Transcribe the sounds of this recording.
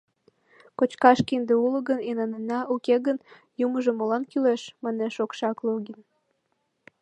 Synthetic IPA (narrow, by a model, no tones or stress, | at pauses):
kot͡ɕkɑʃkind̪eulə̆ɣənenɑnenɑʔukeɣən | juməʒemolɑnkyleʃmɑneʃokʃɑkloɣin